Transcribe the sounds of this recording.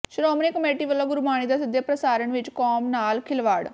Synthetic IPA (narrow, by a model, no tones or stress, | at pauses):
ʃʊɾɔːmnekəmeːʈiːʋəlːaːɡʊɾmaːɽ̃iːd̪aːsɪd̪jeːpɾəsaːɾəɳʋɪt͡ʃkɔːmnaːlkʰɪlʋaːɽ